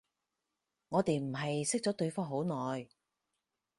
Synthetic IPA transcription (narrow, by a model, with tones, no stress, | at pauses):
ŋɔː˨˧t̪e˨jm̩˨˩ɦɐ˨jsɪ˥k̚t͡sɔː˨˥t̪ɵ˧ɥfɔː˥ŋɦo˨˥wnɔː˨j